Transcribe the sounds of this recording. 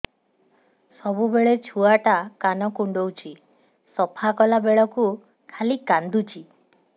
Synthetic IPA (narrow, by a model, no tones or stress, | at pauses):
sɔbubeɭet͡ʃʰuaʈakanɔkuɳɖowt͡ʃʰi | sɔpʰakɔlabeɭɔku | kʰalikand̪ut͡ʃʰi